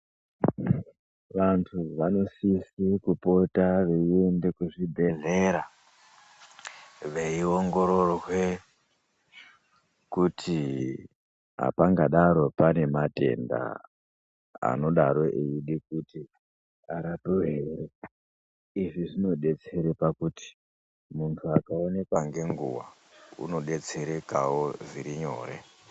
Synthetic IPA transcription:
ʋantʰuʋano̞sisikupo̞taʋeiende̞kuʐibʱe̞ɮe̞ɾa | ʋeio̞ŋɡo̞ɾo̞rwe | kutʰi | ɦa̰paŋɡaɗaɾo̞pane̞mate̞̰nda̰ | a̰no̞ɗaɾo̞ʔeiɗikuti | aɾatoɦeɾe | iʐiʐino̞ɗe̞t͡se̞ɾepakuti̥ | muntʰuakaone̞kwaŋɡe̞ŋɡuwa̰ | ṵno̞ɗe̞t͡se̞ɾekawoʐiɾiɲo̞̰ːre̞̰

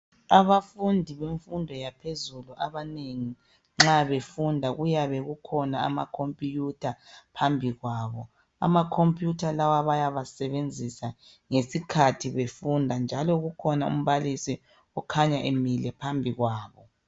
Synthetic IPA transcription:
aβafundʱiβeɱfundʱɔjapʰezuluʔaβaneŋi | ŋ͡ǁaβefundʱaɣujaβɛɣukʰɔnaa̰ma̰kʰompʼijutʰapʰambʱiɣwaːβɔ | a̰makʰompʼjutʰalawaβajaβasɛβend͡zʱisa | ŋesikʰatʰiβefundʱand͡ʒʱalɔɣukʰɔnaṵm̩βalisi | ɔkʰaɲaʔemilɛpʰambʱiɣwaːβɔ

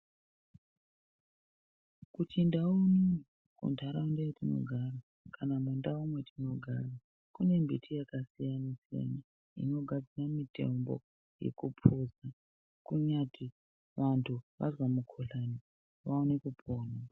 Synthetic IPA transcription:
kutʰindauni | kṵntʰaɾaundetino̞̰ɡʱara | kanamundaumwe̞tʰino̞ɡʱaːra | kune̞mbitʰijakasijanasija̰na | ḭno̞ɡʱad͡ziramite̞̰mbo̰ | jḛkupʰoza | kuɲati | ʋantʰuʋʔa̰zwamukʰoɬani | ʋaonekupʰoːna

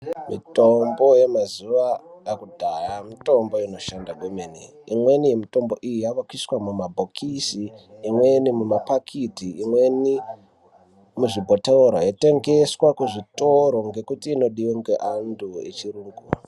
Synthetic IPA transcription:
mitombo̞je̞mazuʋajakudʱajamito̞mbo̞ino̞ʃandaɡomeni | imwe̞nijemito̞mbo̞ʔijijaʋakiswamumabʱokʰisiːmwe̞nimumapakʰitiːmwe̞ni | muʐibʱo̞teuɾojete̞ŋɡe̞swakuʐitoɾoŋɡe̞kutiːno̞ɗiweŋɡeʔanduḛt͡ʃiruːŋɡu

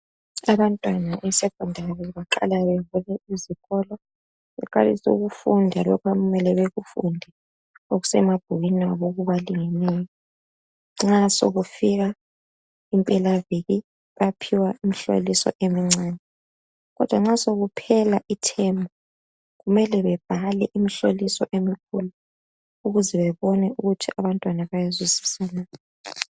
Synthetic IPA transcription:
aβantʼwanaʔɛsɛkʼɔndʱarɛβaǃa̰laβeβulɛiziɣɔlɔ | βɛ̰kʼalisṵɣufundʱalɔkʰwaɣumɛlɛβeɣufundʱɛ | oɣusɛmab̥ʱuɣinaβoɣuβaliŋɛnɛjɔ | ŋ͡ǁaso̰ɣufiɣa | impʼɛlaviɣi | βapʰiwaʔimiɬo̰lisɔ̰ʔemiŋ͡ǀɛːnɛ | ɣɔd̥ʱwaŋ͡ǁasoɣupʰɛlaʔitʰɛmbʱɔ | ɣumɛlɛβɛb̥ʱalɛʔimiɬolisɔʔemikʰulu | uɣuzɛβɛβɔnɛuɣutʰiʔaβantʼwanaβajaziziβisalajɔ

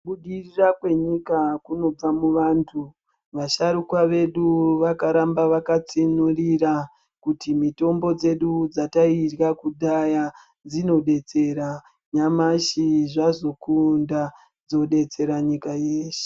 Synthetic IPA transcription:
ɓuɗirirakwe̞ɲikakuno̞b͡vamuʋaːntʰu | ʋaʃaɾukwaʋe̞ɗuʋakaɾambaʋakat͡sinuriɾa | kutimito̞mbo̞d͡ze̞ɗud͡zatairɣakuɗaja | d͡zino̞ɗe̞t͡se̞ɾa | ɲamaʃiʐazo̞kunda | d͡zo̞ɗe̞t͡se̞ɾaɲikajeːʃe̥

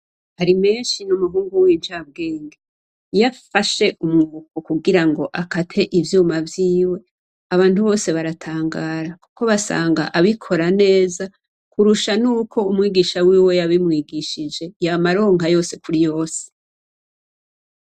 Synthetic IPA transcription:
haɾime̞ːnʃinumuɦuːŋɡuwiːnd͡ʒab̚ɡe̞ːŋɡe | jafaʃe̞ʔumuvukokuɡiɾaŋɡo̞ʔakatʰe̞ʔivjuːmavjiːwe̞ | aβaːntuβo̞ːse̞βaɾatʰaːŋɡaːɾakuko̞βasa̰ːŋɡa̰ʔaβikʰo̞ɾane̞ːza | kuɾuʃanuːkʰo̞umŋiːɡiʃawiːwe̞jaβimŋiːɡiʃid͡ʒe̞jamaɾo̞ːŋɦajo̞ːse̞kuɾijo̞ːse̥

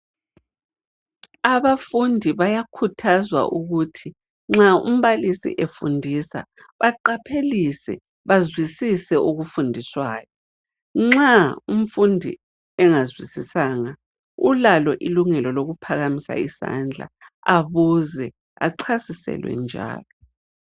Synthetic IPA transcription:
aβafundʱiβajakʰutʰazwa̰ʔuɣutʰi | ŋ͡ǁaṵm̩βalisḭʔefundʱisa̰ | βaǃapʰelisɛ̰ | βazwisisɛʔuɣufundʱiswaːjɔ | ŋ͡ǁaum̩fundʱḭ | ɛŋazwisisaŋa | ulalɔʔiluŋɛlɔloɣupʰaɣamisa̰isa̰nd͡ɮʱa̰ | aβuzɛ | a̰ǀʰasisɛ̰lwɛ̰nd͡ʒʱa̰ːlɔ

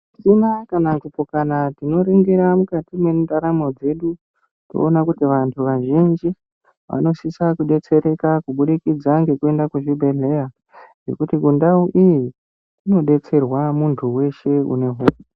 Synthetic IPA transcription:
sinakanakupokanatino̞ɾeŋɡeɾamukatime̞ndaɾamo̞d͡ze̞ɗu | to̰onakutiʋantʰuʋaʒind͡ʒi | ʋa̰no̞sisakuɗe̞t͡se̞ɾe̞kakuɓuɗikid͡zaŋɡe̞kue̞ndakuʐibʱe̞ɮe̞ja | nɡe̞̰kutikundauʔiji | tino̞ɗe̞t͡se̞rwamuntʰuwe̞ʃe̞ṵne̞ɦou

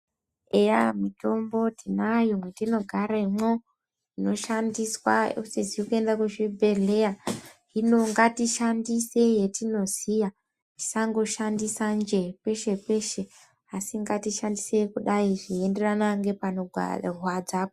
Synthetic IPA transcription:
eja̰mito̞mbo̞tʰinajomwetino̞ɡʱaɾaimo | ino̞ʃandiswa̰usiziokue̞ndakuʐibʱe̞ɮe̞jaɦino̞ŋɡatiʃandise̞je̞tino̞z̥ija | ti̥saŋɡo̞ʃandisand͡ʒe̞pe̞ʃe̞pe̞ʃe | asiŋɡatiʃandise̞kuɗaiʐiende̞ranaŋɡe̞panoɡʱa̰rwad͡zapo

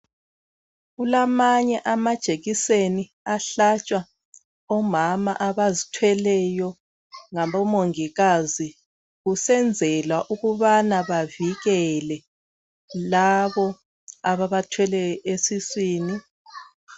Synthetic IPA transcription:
ɣulamaɲɛʔamad̥ʒ̥ʱeɣiseni | aɬat͡ʃʼwa | ɔmama̰ʔaβazitʰwɛlɛjɔ | ŋaβɔmoŋiɣazi | ɣusɛnd͡zʱɛlwaʔuɣuβanaβaviɣɛlɛ | laβɔ | aβaβatʰwɛlɛɔesisiːni

